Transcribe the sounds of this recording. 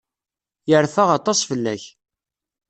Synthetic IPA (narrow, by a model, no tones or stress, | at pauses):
jəɾfaʁɑt̪ˤːɑsˤfəlːæç